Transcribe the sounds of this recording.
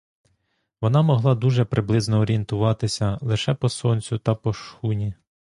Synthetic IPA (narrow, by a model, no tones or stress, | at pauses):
ʋɔnɑmɔɦlˠɑd̪uʒɛpɾʔɪblˠɪznɔːɾʲiint̪ʊʋɑt̪ɪsʲɐlˠɪʃɛpɔsɔnʲt͡sʲʊt̪ɐpɔʃxunʲi